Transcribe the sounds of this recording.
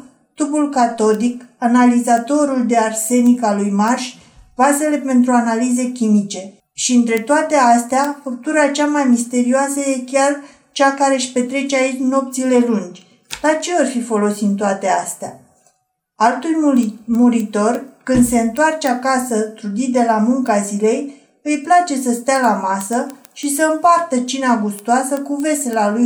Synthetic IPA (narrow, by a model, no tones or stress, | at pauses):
t̪upulkat̪o̞d̪ikanalizat̪o̞ɾuld̪e̞arse̞nikalujmarʃʲ | vase̞le̞pe̞nt̪ɾuanalize̞kʲimit͡ʃe̞ | ʃiɨnt̪ɾe̞t̪oat̪east̪eafək̚t̪uɾat͡ʃamajmist̪e̞ɾioasəje̞kʲar | t͡ʃakaɾe̞ʃʲpe̞t̪ɾe̞t͡ʃeait͡ʃno̞p̚t̪sile̞lund͡ʒʲ | d̪̥at͡ʃe̞orfifo̞lo̞sint̪oat̪e̞ast̪ea | alt̪ulʲmuɾit̪o̞rkɨnd̪se̞ɨnt̪oart͡ʃeakasət̪ɾud̪id̪e̞lamuŋkazile̞j | ɨjplat͡ʃe̞səst̪ealamasə | ʃisəɨmpart̪ət͡ʃinaɡust̪oasəkuve̞selaluj